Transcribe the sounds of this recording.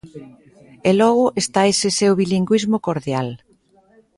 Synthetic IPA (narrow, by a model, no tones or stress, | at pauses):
elɔɣ̞ʊʔest̪aesɪsewβiliŋɡwizmʊkoɾðjal